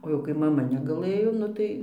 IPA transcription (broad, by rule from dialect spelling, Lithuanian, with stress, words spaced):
oː jɛʊ kɐɪ mɐˈmɐ nʲɛɡɐˈlˠɘjoː ˈnʊ tɐɪ